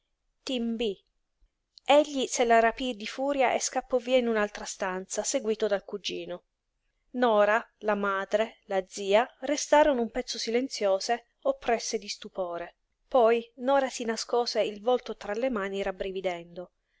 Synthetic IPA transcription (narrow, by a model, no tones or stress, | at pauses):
t̪imbi | eʎːiselaɾapid̪ifuːɾjaʔeskapːɔviːainunalt̪ɾast̪ant̪saseɡwiːt̪od̪alkud͡ʒiːno | nɔːɾalamaːd̪ɾelad̪ziːarest̪aːɾonumpɛt̪sːosilent̪sjoːze | opːɾɛsːed̪ist̪upoːɾe | pɔjnɔːɾasinaskɔːseilvolt̪ot̪ɾalemaːniɾabɾivid̪ɛnd̪o